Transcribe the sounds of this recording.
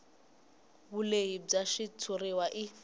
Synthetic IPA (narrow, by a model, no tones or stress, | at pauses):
βuleib͡ʐaʃitʰuriwaʔi